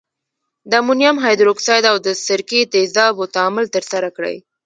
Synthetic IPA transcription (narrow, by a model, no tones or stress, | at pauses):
d̪amunjamɦɑjd̪ɾoksɑjd̪awd̪əsɪɾket̪ezɑbot̪amʊlt̪əɾsaɾakɽə̰j